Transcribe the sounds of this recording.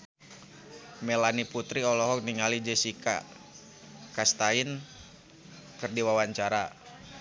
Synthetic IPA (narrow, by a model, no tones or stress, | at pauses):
melaniput̪ɾiɔlɔɦɔk̚niŋalid͡ʒɛsika̰ | kast̪ain | kɨrdiwawaɲt͡ʃaɾa